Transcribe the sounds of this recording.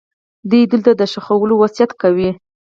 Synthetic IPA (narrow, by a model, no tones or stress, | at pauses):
d̪ujd̪ʊlt̪ad̪əʃaxawəlowasijat̪kawi